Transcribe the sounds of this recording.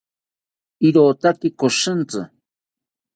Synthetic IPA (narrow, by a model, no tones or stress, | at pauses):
iɾoːt̪akikoʃɨnt͡sɨ̰